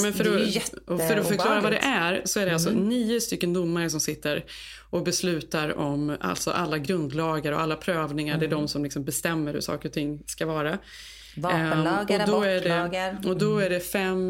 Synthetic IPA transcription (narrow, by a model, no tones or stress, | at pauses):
mɛnfœɾɔɔfœɾɔfœɾk̪ʰɑːɾavad̪ɛ̰ʔæɾsɔæɖɛalsɔniːʊst̪ʏkːənd̪ʊmːaɾəs̬ɔmsɪt̪ːəɾ | ʔɔk̚bɛslʉ̟ːt̪aɾɔma̰lt̪sɔ̰ʔalːaɡɾɵnd̪lɑːɡəɾɔ̰ʔalːapʰɾøːvnɪŋaɖɛːɖɔmsɔmlɪksɔmbɛst̪ɛmːəɾhɵ̰ʂɑ̰ːkəɾɔt̪ʰɪŋːskavɑːɾa | ɔd̪ɔæɖɛɔd̪ɔæɖɛfɛm